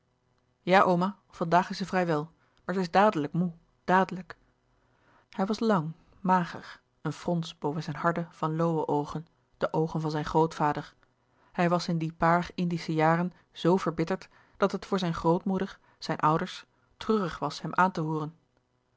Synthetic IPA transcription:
jaːʔowmaː | v̥ɑndaːχɪsətvrɛjʋɛlˠ | maːɹzəɪzdaːdələkmu | d̥aːdələk | hɛjʋɑslɑŋ | maːχə̰ɹ | ənfrɔnsb̥owvənzɛjnɦɑɹdəv̥ɑnlowəʔowχən | d̥əʔowχənvɑnzɛjnχrowtfaːdəɹ | hɛjʋɑsɪndipaːɹχɪndisəjaːrən | z̥owvəɹbɪtəɹt | d̥ɑtɦətfʊːɹzɛjnχrowtmudəɹ | z̥ɛjnʔʌwdəɹs | trøːrəχʋɑshɛmʔaːntəɦuːrən

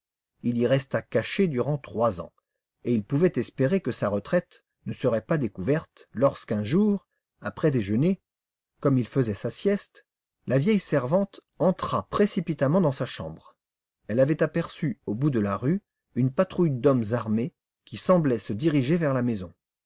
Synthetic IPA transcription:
iliʁɛst̪akaʃed̪yʁɑ̃t̪χwazɑ̰̃ | eilpuvɛt̪ɛspeʁekəsaʁət̪χɛt̪ | nəsəʁɛpad̪ekuvɛʁt̪lɔʁskɛ̃ʒuːʁ | apχɛd̪eʒəne | kɔmilfəzɛsasjɛst̪ | lavjɛjsɛʁvɑ̃t̪ | ɑ̃t̪χapχesipit̪amɑ̃d̪ɑ̃saʃɑ̰̃bʁ | ɛlavɛt̪apɛʁsyobud̪əlaʁy | ynpat̪χujd̪ɔmzaʁme | kʲisɑ̃blɛsəd̪iʁiʒevɛʁlamezɔ̃

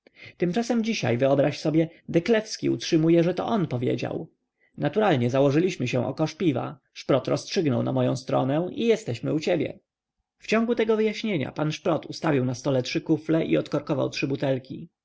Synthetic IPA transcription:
t̪ɘmt͡ʂasɛmd͡ʑiɕa̰jvɘɔbɾaɕsɔbʲjɛd̪ɛklɛfskʲiṵtʂɘmujɛʐɛt̪ɔ̰ʔɔnpɔvʲjḛd͡ʑa̰w | nat̪uɾalɲɛzawɔʐɘlʲiɕmɘɕɛ̃ʔɔkɔʂpʲiva̰ | ʂpɾɔt̪ɾɔ̰stʂɘɡnɔwna̰mɔjɔ̃st̪ɾɔ̰nɛ̃ijɛst̪ɛɕmɘut͡ɕɛbʲjɛ̰ | ft͡ɕɔ̃ŋɡut̪ɛɡɔvɘjaɕɲeɲa̰panʂpɾɔt̪ust̪avʲiwnast̪ɔlɛtʂɘkuflɛʔḭɔt̪kɔɾkɔva̰wtʂɘbut̪ɛlkʲi

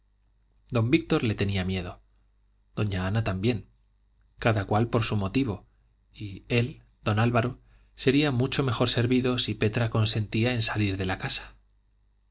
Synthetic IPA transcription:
d̪o̞mbik̚t̪o̞ɾle̞t̪e̞niamje̞ðo̞ | d̪̥o̞ɲaanat̪ambje̞ŋ | kaðakwalpo̞ɾsumo̞t̪iβ̞o̞ | ie̞l | d̪̥o̞nalβaɾo | se̞ɾiamut͡ʃo̞me̞xo̞ɾse̞ɾβiðo̞sipe̞t̪ɾako̞nsẽ̞nt̪iae̞nsaliɾðe̞lakasḁ

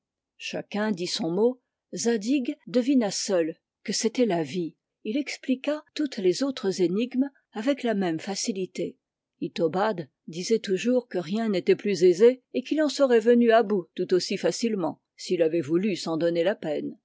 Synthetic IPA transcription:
ʃa̰kɛ̃d̪isɔ̃mo | zad̪iɡd̪əvinasœl | kəset̪ɛlavi | ilɛksplikat̪ut̪lezot̪χəzeniɡm | avɛklamɛmfasilit̪e | it̪ɔbad̪ | d̪izɛt̪uʒuʁkəʁjɛ̃net̪ɛplyzezeekilɑ̃səʁɛvənyabut̪ut̪osifasilmɑ̃ | siːlavɛvulysɑ̃d̪ɔnelapɛn

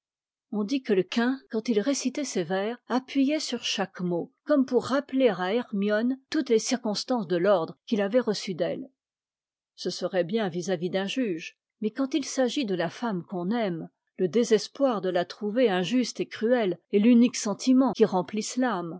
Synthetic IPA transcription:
ɔ̃d̪ikələkɛ̃kɑ̃t̪ilʁesit̪ɛsevɛːʁapɥijɛsyʁʃakmokɔmpuʁːapleʁaɛʁmjɔnt̪ut̪lesiʁkɔ̃st̪ɑ̃sd̪əlɔʁd̪ʁəkʲilavɛʁəsyd̪ɛl | səsəʁɛbjɛ̃vizavid̪ɛ̃ʒyʒ | mɛkɑ̃t̪ilsaʒid̪əlafamkɔ̃nɛm | ləd̪ezɛspwaʁd̪əlat̪χuveɛ̃ʒyst̪ekχyɛlelyniksɑ̃t̪ʰimɑ̃kʲiʁɑ̃plislam

